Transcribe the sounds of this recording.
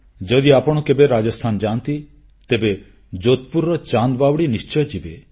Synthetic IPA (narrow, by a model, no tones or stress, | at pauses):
d͡ʒɔd̪iapɔɽ̃ɔkebeɾad͡ʒɔst̪ʰand͡ʒant̪i | t̪ebe | d͡ʒot̪puɾːɔt͡ʃand̪bawɽinist͡ʃɔjɔd͡ʒibe